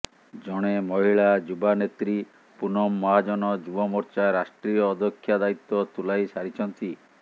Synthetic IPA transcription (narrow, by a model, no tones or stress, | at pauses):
d͡ʒɔɽ̃emɔɦiɭad͡ʒubanet̪ɾi | punɔmːɔɦad͡ʒɔnɔd͡ʒubɔmɔɾt͡ʃaɾasʈɾijɔːd̪ʱɔkʰːjad̪ait̪ːɔt̪ulajsaɾit͡ʃʰɔnt̪i